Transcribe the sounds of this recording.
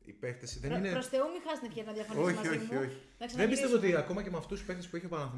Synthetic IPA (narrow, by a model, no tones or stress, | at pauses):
ḭpekθesiðenineɾost̪eomixɐznefçɐenɐðjɐfoçioçioi̥ | nɐksɐðembbist̪evoot̪iɐko̞mɐcemɐft̪usi̥pexθesi̥spuiçiepɐnɐθ